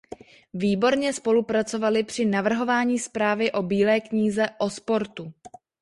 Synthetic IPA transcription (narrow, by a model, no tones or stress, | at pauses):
viːbo̞ɾɲɛspo̞lupɾat͡so̞valɪpr̝̥ɪnavr̩ɦo̞vaːɲiːspɾaːvɪʔo̞biːlɛːkɲiːzɛʔo̞spo̞ɾt̪u